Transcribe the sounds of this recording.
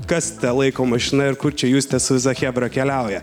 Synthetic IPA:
kɐst̪ʲɛlˠɐɪkoːmɐʃʲɪnɐɪɾkʊɾt͡ʃʲɛjuːst̪ʲɛsʊʋʲɪs̬ɐxʲæːbɾɐkʲɛlʲæʊjɛ

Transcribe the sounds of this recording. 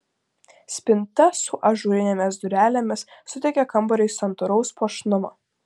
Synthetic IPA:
sʲpʲɪnt̪ɐsʊʔɐʒuːɾʲɪnʲɛmʲɪsd̪ʊɾʲæːlʲemʲɪssʊt̪ʲɛkʲɛkɐmˑbɔɾʲɛɪsɐnt̪ʊɾɔʊspoɔʃnʊmoː

